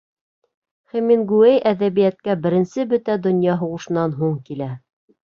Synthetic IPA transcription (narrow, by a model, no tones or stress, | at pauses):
χæminɡuæjʔæðæβijæt̪̚kæbɘ̆ɾɘ̆nsɘbɵ̆t̪æd̪ŏnjɑɦuʁɤ̆ʃɤ̆nɑnɦuɴkilæ